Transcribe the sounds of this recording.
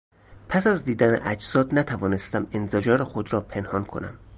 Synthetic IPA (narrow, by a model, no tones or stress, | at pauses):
pʰæsæzd̪iːd̪ænḛʔæd͡ʒsɒːd̪næt̪ʰævɒːne̞st̪æmenzed͡ʒɒːɾexod̪ɾɒːpʰe̞nhɒːnkʰo̞̰næ̰m